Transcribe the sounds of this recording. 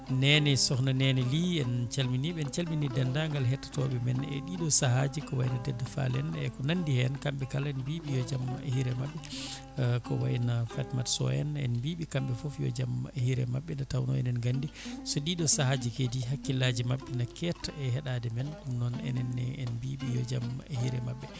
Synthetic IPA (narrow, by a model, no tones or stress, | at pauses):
nɛnɛsɔknanɛnɛliɛnt͡ʃalminiɓɛːnt͡ʃalminidɛndaŋɡalɦɛtːḁtɔɓɛmɛnɛ̰ɗiɗɔsahad͡ʒikɔwajinadɛdːafa̰lɛnɛ̰kɔnandihɛnkambɛkalɛnbiɓijɔd͡ʒam̰hiɾɛmaɓːɛ | kɔwa̰inafatmatsɔ̰ɛ̰nɛ̰nbiɓikambɛfɔfjɔ̰d͡ʒamhiɾɛ̰maɓːɛnatawnɔ̰ɛ̰nɛnɡandisɔɗiɗɔsahad͡ʒikediɦakːilad͡ʒimaɓːɛnakɛtaɛɦɛɗadɛmɛnɗumnɔnɛ̰nɛnɛɛnbiːɓijɔd͡ʒamhiɾɛmaɓːɛ